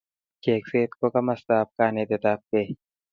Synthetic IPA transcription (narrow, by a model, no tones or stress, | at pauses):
keːkseːt̪̚kokɐmɐst̪aːp̚kaːned̪et̪aːp̚ke